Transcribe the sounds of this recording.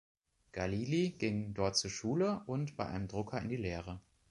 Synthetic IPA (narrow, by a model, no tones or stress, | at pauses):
ɡ̥aliːliɡ̥ɪŋdɔɐt̚t͡suːɐʃuːləʔʊntb̥aɪʔa̰ɪnəmdʁʊkʰɐɪndiːleːʁ̞ə